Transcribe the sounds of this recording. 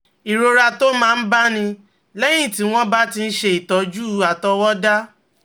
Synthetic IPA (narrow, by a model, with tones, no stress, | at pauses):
i˨ɾo˧ɾa˧to˦mãː˦˧n̩˦ba˦nĩ˧ | lɛ˦j̃ĩ˦˨ti˨˦w̃ɔ̃˦ba˦ti˧n̩˦ʃe˦i˨tɔ˨˦d͡ʒu˦a˨tɔ˧wɔ˦da˦